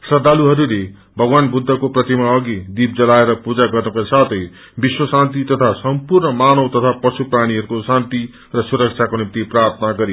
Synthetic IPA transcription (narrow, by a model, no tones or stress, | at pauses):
sʌd̪aluɦʌɾule | bʱʌɡwanbud̪ʱːʌkoprʌt̪imaʌɡid̪ib̚d͡zʌlaeɾʌpud͡zaɡʌrnukasat̪ʰʌj | biswʌsãnt̪it̪ʌt̪ʰasʌmpurnʌmanʌwt̪ʌt̪ʰapʌsupraɽ̃iɦʌɾukosãnt̪i | rʌsuɾʌk̚t͡ʃʰakonimt̪iprart̪ʰʌnaɡʌɾi